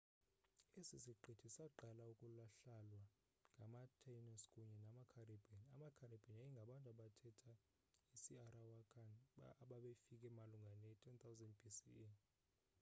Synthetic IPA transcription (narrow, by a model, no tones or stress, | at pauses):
esisiǃʱetʰisaǃalaukʼulaɬalwa | ŋɡʱamatʰanɔskʼuɲɛnamakʰaribʱanamakʰaɾib̥ʱanajiŋɡʱaɓantʼaɓatʰɛtʰa | isiarawakʰʼanːɓaɓefikʼɛmaluŋɡʱanɛtʰɛnt̪ʰawzɛnd̚bisḭe